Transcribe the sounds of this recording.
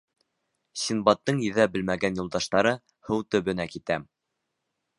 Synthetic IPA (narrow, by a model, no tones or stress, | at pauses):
sinbɑt̪ːɤɴjɘ̆ðæbɘ̆lmæɡænjulˠd̪ɑʃt̪ɑɾɤ | hɤwt̪ɵ̆βɘ̆nækit̪æm